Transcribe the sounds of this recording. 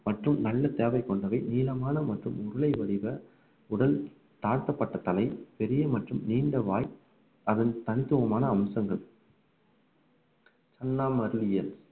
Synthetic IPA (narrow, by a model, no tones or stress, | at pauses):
mɐʈrɯmnɐlːɐt̪eːʋɐɪkːɔɳɖɐʋɐɪniːlɐmaːnɐmɐʈrɯmʊɾɯlɐɪʋɐɾɪʋɐ | ʊɽɐl | t̪aːɾt̪ɐpːɐʈːɐt̪ɐlɐɪpɛɾɪjɐmɐʈrɯmniːɳɖɐʋaːj | ɐðɐnt̪ɐnɪt̪ːɯʋɐmaːnɐːmsɐŋɡɐɭ | t͡ʃɐnːaːmɐɾlɪjɐl